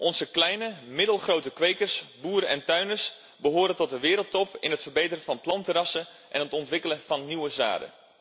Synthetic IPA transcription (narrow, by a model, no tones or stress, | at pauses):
ʔɔnzəklɛjnəmɪdəlˠχrowtəkʋejkərsbuːɾəɛntœɥnəɹs | bəɦʊːɾəntɔt̚dəʋɪːɾəl̩ˠtɔpɪ̰nɦətfərbejtərəfɑnplɑntərɑsə | ʔɛnɦətɔntʋɪkələvɑnniʋəza̰ːdə̰